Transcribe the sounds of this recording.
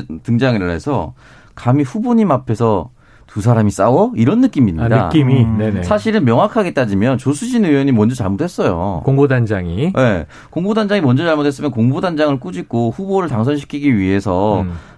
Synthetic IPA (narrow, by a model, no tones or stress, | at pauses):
tɯŋd͡ʑaŋiɭːḛsʰʌ | kamiɸuboɲimapʰe̞sʰʌ | tusʰaɾamis͈awʌiɾʌnːɯk͈imiɲidaɯk͈iminenesʰaɕʰiɾɯnmjʌŋwakʰaɡet͈ad͡ʑimjʌnt͡ɕosʰud͡ʑinɯjʌɲimʌnd͡ʑʌt͡ɕaɭmodwes͈ʌjo̰koŋbodand͡ʑaŋije̞ | koŋbodand͡ʑaŋimʌnd͡ʑʌt͡ɕaɭmodwes͈ɯmjʌnkoŋbodand͡ʑaŋɯɭk͈ud͡ʑik͈oɸuboɾɯɭtaŋsʰʌnɕʰi̥kʰiɡiɥiɦe̞sʰʌ